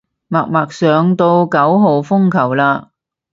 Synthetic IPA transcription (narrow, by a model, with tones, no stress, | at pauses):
maː˨˩k̚maː˨k̚sœː˨˧ŋt̪o˧wkɐ˨˥wɦo˨wfʊ˥ŋkʰɐ˨˩wlaː˧